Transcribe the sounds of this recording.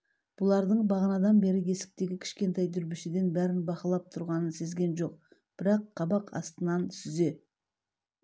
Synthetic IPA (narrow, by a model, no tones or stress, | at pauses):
b̥ʊlˠɑɾd̪əɴbɑʁənɑd̪ɑnbe̞ɾɪje̞sɪ̥k̚t̪e̞ɡʲɪkʲʰɪ̥ʃkʲe̞nt̪ɑjd̪ʰʏɾbɪʃed̪e̞nbæɾɪnbɑqəlˠɑp̚t̪ʰʊɾʁɑnənse̞zɡʲe̞nʒo̞q̚ | b̥ɪɾɑqʰːɑbɑqʰɑ̰st̪ənɑnsʏze̞